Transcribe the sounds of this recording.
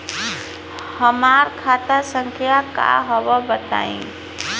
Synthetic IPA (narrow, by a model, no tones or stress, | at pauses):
həmaɾkʰat̪asəŋkʰjaka̰ɦɔbəbət̪a̰ḭ̃